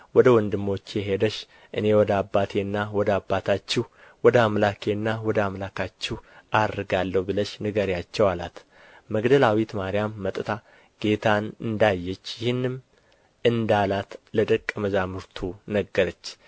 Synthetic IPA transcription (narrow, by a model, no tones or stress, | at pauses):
wɔd̪əwɔnd̪ɨmːo̞t͡ʃːjɛɦed̪əʃ | ʔɨne̞wɔd̪əabːat̪ʰe̞nːawɔd̪əabːat̪ʰat͡ʃːɪhwɔd̪əamlakʰeɨnːawɔd̪əamlakʰat͡ʃːɪhʔad̪ɨɡalːəhubɨləʃnɨɡəɾjat͡ʃːɛwala̰t̪ | məɡd̪əlawit̪maɾijamːət̪ʼɨt̪ʰa | ɡ̥e̞t̪ʰanɨnd̪ajːɛt͡ʃːjɪhɨnːɨm | ɨnd̪alat̪ləd̪əkʼːəməzamɨɾt̪ʰunəɡːəɾət͡ʃː